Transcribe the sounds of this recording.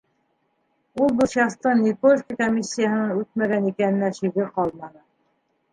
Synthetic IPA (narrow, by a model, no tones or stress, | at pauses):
ulˠbɤʃjɑst̪ɤniposkəkomʲːisʲːijahɤ̆nɤɴʉt̪̚mæɡænikænɘ̆næʃiβɘqɑlˠmɑnɤ